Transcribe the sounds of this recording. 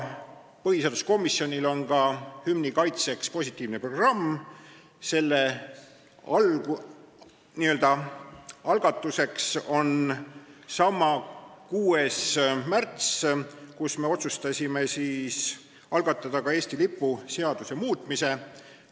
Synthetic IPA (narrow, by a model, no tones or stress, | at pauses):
pɤɦhiseɑd̪usko̞mːisːjo̞nʲilo̞nkɑhymnikɑjt̪se̞kspo̞sʲit̪ʲˑːiːvnepro̞ɡ̥rɑmː | se̞lːe | ɑlɡu | niø̞ld̪̥ɑ | ɑlɡ̥ɑt̪ːˑuse̞kso̞n | sɑmːɑkuːe̞smært̪skusme̞o̞t̪sust̪ɑsʲime̞siːs | ɑlɡ̥ɑt̪ːˑɑd̪̥ɑkɑe̞ːsʲt̪ilipːˑuse̞ɑd̪̥use̞muːt̪ːˑmise̞